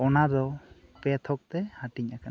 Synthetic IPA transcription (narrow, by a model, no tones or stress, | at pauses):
ɔnaɾɔpɛt̪ʰɔk̚t̪ɛhaʈiɲakan